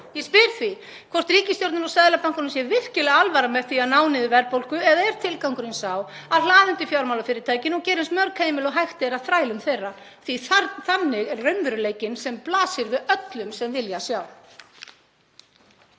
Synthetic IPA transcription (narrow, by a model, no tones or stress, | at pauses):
jɛspɪɾθvi | kʰvɔr̥t̪riːcɪst̪jowɾt̪nanɾɔwsaːjðɪlapawŋ̥kʏnʏmsjɛvɪr̥cɪlɛɣaalvaɾamɛθiaðnaːwnɪðɪvɛɾpowl̥kʏɛðaɛɾ̥t̪ʰɪlkawŋkʏɾɪnsaːwaðlaːðɪnt̪ɪfjawɾmawlafɪːɾɪ̥t̪ʰaːjcɪnɔɣcɛːɾɪnsmœwɾkheːjmɪlɔɦajxt̪ɪɾaðθɾaːjlʏmθejrːa | θviθanːɪɣɛɾrœɥnvʏɾʏleːjcɪnsɛmplaːsɪɾvɪðœt̪lʏmsɛmvɪljasjaːw